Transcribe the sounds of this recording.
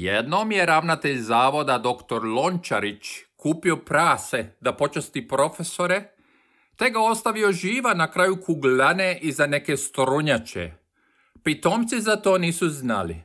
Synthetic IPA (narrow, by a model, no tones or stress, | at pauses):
jed̪nomje̞ɾaʋnat̪e̞ʎzaːʋo̞d̪ad̪o̞kt̪oɾlo̞nt͡ʃaɾit͡ʃkuːpio̞pɾaːse̞d̪apo̞t͡ʃast̪ipɾo̞fe̞so̞ɾe̞ | t̪e̞ɡao̞st̪aʋio̞ʒiːʋanakɾaːjukʰuɡlaneʔizane̞ke̞st̪ɾuɲat͡ʃḛ | pit̪o̞ːmt̪sizat̪o̞ːniːsuzna̰lḭ